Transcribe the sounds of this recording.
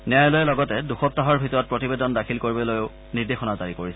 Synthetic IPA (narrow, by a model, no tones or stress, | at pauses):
nɛajlojɛlɔɡɔtɛduxɔp̚taɦɔɹbʱitɔɹɔt̚pɹotibedɔndakʰilkoɹibɔlojoʊ | niɹdexɔnazaɹikoɹisɛ